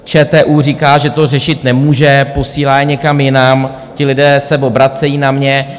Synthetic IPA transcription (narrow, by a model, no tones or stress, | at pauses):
t͡ʃɛːt̪ɛːʔuːr̝iːkaːʒɛt̪o̞rɛʃɪt̪nɛmuːʒɛpo̞siːlaːjɛɲɛkamjɪnam | cɪlɪdɛːsɛvo̞bɾat͡sɛjiːnamɲɛ